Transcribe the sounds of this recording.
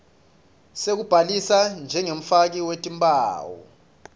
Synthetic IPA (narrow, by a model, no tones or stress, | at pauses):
sek̬ub̥ʱalisand͡ʒʱɛŋem̩fak̬iwetʼimbʼaːwɔ̰